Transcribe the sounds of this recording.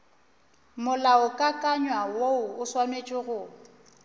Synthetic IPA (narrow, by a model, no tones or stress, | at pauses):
mʊlaʊkʼakʼaɲwawoʊʊswanwet͡ʃʼɪɣʊ